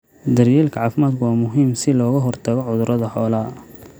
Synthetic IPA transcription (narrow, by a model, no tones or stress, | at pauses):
d̪ɐrjɛːlkʰɐʕɑːfɪmaːd̪̚kʰʊwaːmʊɦiːmsɪlɔːɣɐɦɔrt̪ʰɐɣɔʕʊðʊɾʔɐðɐħɔːlɐ